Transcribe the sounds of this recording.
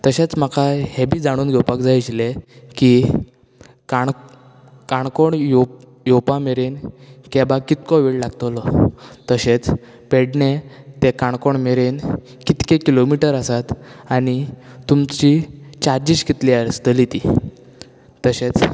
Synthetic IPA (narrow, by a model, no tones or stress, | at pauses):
t̪əɕet͡sm̤akʰahebʱiːd͡zaɽ̃uːnɡɛwpakd͡zajt͡ɕleki | kaɳ | kaɳkoɳjo | jopameɾenkɛbakit̪̚kɔʋeɭlaɡt̪olɔt̪əɕet͡s | peɽnet̪ekaɳkoɳmeɾen | kit̪kekilomiʈəɾəsat̪añit̪umt͡ɕit͡ɕaɾd͡ʑiskit̪liaɾst̪əlit̪i | t̪əɕet͡s